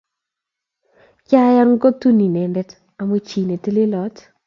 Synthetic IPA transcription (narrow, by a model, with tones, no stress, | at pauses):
ka˦ja˦ɾŋ˦ko˦tu˦ni˨nɛ˨ndɛ˦t | a˨mo˦t͡ʃiː˨ne˨te˦le˦lɔ˨˦t